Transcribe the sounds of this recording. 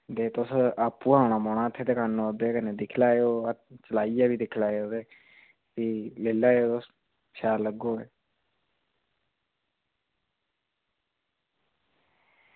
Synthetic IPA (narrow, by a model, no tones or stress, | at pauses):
d̪eːt̪ʊsaːpːuːaːɳaːmoːɳãːət̪ʰːeːt̪eːkanoːd̪eːkəneːd̪ɪkʰlaːeoːət͡ʃəlaːijaːbiːd̪ɪkʰlaːeoːd̪eː | siːleːlaːeoːt̪ʊs | ʃaːɾləɡoːeː